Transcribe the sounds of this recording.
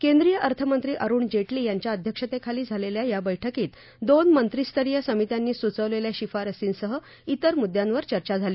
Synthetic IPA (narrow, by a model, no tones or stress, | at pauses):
kẽnd̪ɾijəʔəɾt̪ʰəmənt̪ɾiːʔəɾuːɳd͡ʑeʈliːjaɲt͡ɕjaəd̪ʱjəkʂət̪ekʰaliːd͡zʱaleljajabəjʈʰəkiːt̪ | d̪onmənt̪ɾist̪ʰəɾijəsəmit̪janːiːsut͡səʋleljaɕifaɾəsiːnsəɦə | it̪əɾmud̪jãnʋəɾt͡ɕəɾt͡ɕad͡zʱaliː